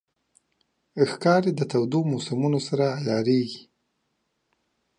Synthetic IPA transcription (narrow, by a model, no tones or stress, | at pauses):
xkɑɾed̪ət̪awd̪omosamunosaɾajɑɾeɡi̥